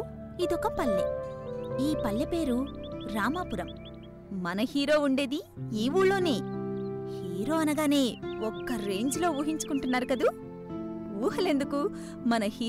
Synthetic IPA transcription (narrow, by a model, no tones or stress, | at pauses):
id̪ɔkɐpɐlːi | iːpɐlːɐpe̞ːɾuɾaːmaːpuɾɐmː | ɐnɐhiːɾo̞ːuɳɖe̞ːd̪i | iːʋuːlo̞ːne̞ː | hiːɾo̞ːɐnɐɡaːne̞ːɔkːɐɾe̞ːɲd͡ʒlo̞ːuːɦiɲt͡ʃu̥kuɳʈunːaːɾukɐd̪u | uːɦɐle̞nd̪uku | mɐnɐhi